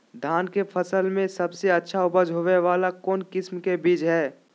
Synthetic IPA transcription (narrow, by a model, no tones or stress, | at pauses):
d̪ʱaːnkepʰəsəlmẽsɐbseɐtːʃʰaʊbəd͡ʒɦoʋeʋaːlakɔːnkɪsmkebiːd͡ʒɦɛː